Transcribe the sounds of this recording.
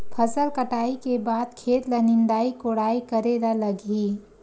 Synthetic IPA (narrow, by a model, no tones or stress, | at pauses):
pʰəsəlkəʈaːikebaːd̪̚kʰeːt̪lənɪnd̪aːikoɽaːikəɾeɾaləɡʱi